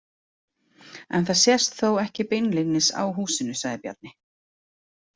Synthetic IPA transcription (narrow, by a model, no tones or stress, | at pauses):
ɛ̰nθaðsjɛst̪θowɛhcɪpɪjnlɪnːɪsa̰wɦuːsɪnʏsaɣðɪpja̰t̪̚nɪ